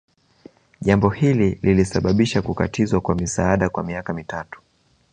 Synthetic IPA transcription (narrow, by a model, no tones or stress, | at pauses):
ʄambɔhilililisaɓaɓiʃakuka̰tʰizwakwamisaaɗakwamiakamitatu̥